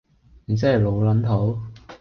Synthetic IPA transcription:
i˨˩s̬ɛː˥˨˩lo˨˧wlɐ˨˥nt̪ʰo˨˥w

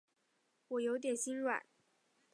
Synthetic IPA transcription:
wɔ˨˩jo˧˥ʊt̪̬jɛ˨˩nɕi˥nɻwa̰˨˩˦n

